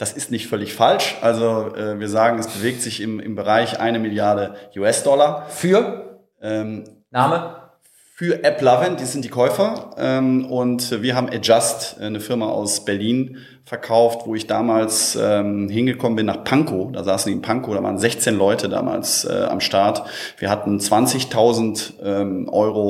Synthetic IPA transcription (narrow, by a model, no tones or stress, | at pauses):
d̥asɪstnɪçtfœlɪçfalʃʔalzoʔɛːviːɐzaːɡŋ̩ɛsb̥əveːk̚tz̥ɪçɪmɪ̰mbəʁaɪçʔa̰ɪnəmɪljaɐɾəʔuːɛsd̥ɔlɐfyːɐ | ʔɛːm | naːmə | fyːɐʔɛplavəndiːzɪnt̚d̥iːkʰɔʏfɐʔɛːmʊntviːɐɦaːbm̩ʔɛd͡ʒastːnəfɪɐmaʔa̰ʊsb̥ɛɐliːn | fɛɐkʰaʊftv̥oːɪçd̥aːmaːlsɛːmhɪnɡəkʰɔmənbɪnːaːχpʰaŋkʰod̥aːzaːsn̩diːɪnpʰaŋkodɾava̰ːʁənzɛçt͡seːnlɔʏtʰəda̰ːma̰ːlsɛ̰ːʔa̰mʃtaɐt | v̥iːɐɦatn̩t͡sv̥ant͡sɪçtʰaʊzn̩tʔɛːmʔɔʏʁo